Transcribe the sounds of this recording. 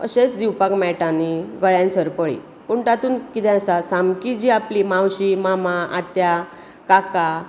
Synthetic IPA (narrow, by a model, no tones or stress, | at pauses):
ə̰ɕet͡sd̪iwpakmɛʈaniɡəɭjãnt͡səɾpəɭḭ | puɳʈ̪at̪uːnkit̪ɛ̃əsasamkid͡ʑiːaplimãwɕimamaʔat̪ja | kaka